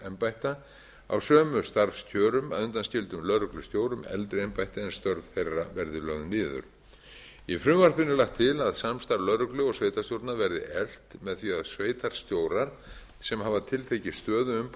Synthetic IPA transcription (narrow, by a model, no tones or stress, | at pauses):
ɛmpajht̪a | a̰wsœːmʏst̪aɾfscʰœːɾʏmaðʏnt̪anscɪlt̪ʏmlœɾʏklʏst̪joːwɾʏmɛ̰lt̪ɾɪɛmpajht̪ɪɛnst̪œɾvθejrːa̰vɛɾðɪlœɣnɪːðʏ̰ɾ̥ | ifɾʏmvar̥pɪnːɪlaxt̪ʰːɪlaðsamst̪aɾlœɾʏklʏɔɣsveːjt̪ast̪jowɾt̪navɛɾðɪ̰ʔɛl̥t̪mɛðθviaðsveːjt̪aɾ̥st̪joːwɾaɾ̥ | sɛmhaːvat̪ʰɪlt̪ʰecɪst̪œːðʏʏm